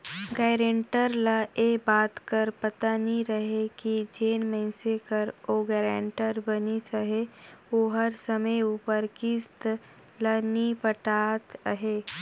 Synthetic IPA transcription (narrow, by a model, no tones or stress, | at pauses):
ɡɛːɾẽɳʈəɾləebaːt̪kəɾpɐt̪aniɾəɦekid͡ʒeːnmə̃ɪ̃sekəɾoɡɛːɾẽːɳʈəɾbənisəɦeoːɦɐɾsəməjuːpəɾkɪst̪ | lənipəʈaːt̪əɦeː